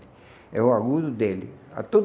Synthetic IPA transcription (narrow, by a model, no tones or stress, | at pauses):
t̪ | ɛ̰ʊaɣud̪ʊd̪elɪ̰a̰t̪od̪